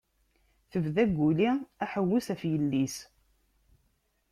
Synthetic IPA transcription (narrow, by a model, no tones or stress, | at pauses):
θəvðæɡʷːuliæħəwːusæfjəlːis